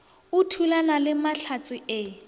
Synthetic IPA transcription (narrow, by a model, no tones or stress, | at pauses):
utʰulanalɪmaɬʰat͡sʼɪɛ